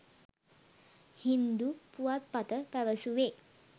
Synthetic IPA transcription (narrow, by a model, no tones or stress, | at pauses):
hind̪upuat̪̚pat̪əpɛʋəsuʋe